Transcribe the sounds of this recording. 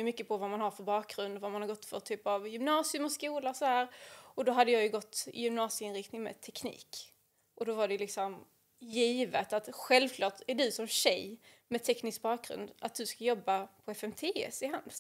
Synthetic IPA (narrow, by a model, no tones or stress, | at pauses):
ɵmʏkːəpʰɔvamanhaɾfœɾbɑːk̚ɡɾɵnd̪ɔvamanhaɾɡɔt̪ːfœ̰ɾt̪ʰyːpavjʏmnɑːsɪɵmɔskuːlasɔhæːɾɔd̪ɔɦad̪ːəjɑːjɵɡɔt̪ːɪ̰jʏmnɑːsɪɪnɾɪkt̪nɪŋmɛ̰t̪ʰɛknḭːk | ʔɔd̪ɔvaɖɛjɵlɪksɔm | jiːvət̪at̪ɧɛlvkʰlɑːʈæɖɵsɔmɕɛj | mɛt̪ʰɛknɪsk̚bɑːk̚ɡɾɵ̰nd̪at̪̚d̪ɵskajɔbːapʰɔɛfɛmt̪ʰeːɛ̰sɪɦand̪